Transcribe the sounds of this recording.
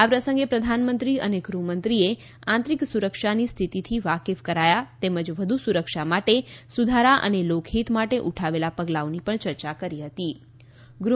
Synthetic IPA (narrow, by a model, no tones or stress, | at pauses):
apɾəsə̃ŋɡepɾəd̪ʱanmənt̪ɾiəneɡɾumənt̪ɾie | ãnt̪ɾiksuɾəkʃanist̪ʰit̪it̪ʰiʋakefkəɾajat̪eməd͡ʒʋəd̪ʱusuɾəkʃamaʈesud̪ʱaɾaʔə̰nelokʰɦit̪maʈeʔuʈʰaʋelapəɡlaonipəɳt͡ʃəɾt͡ʃakəɾiɦət̪i | ɡɾu